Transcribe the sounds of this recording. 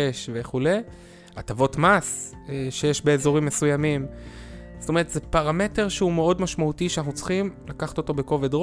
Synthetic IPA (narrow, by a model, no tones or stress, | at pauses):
eʃve̞χule̞j | at̪avo̞tmas | eʃejeʃbe̞ːzo̞ʁimːe̞sujamim | z̥o̥toe̞ʁet̪zepaʁame̞te̞ʁ̞ʃeume̞o̞dmaʃmautiʃeanaχnut͡sχimlakaχḁto̞t̪o̞be̞ko̞ve̞d̪ʁo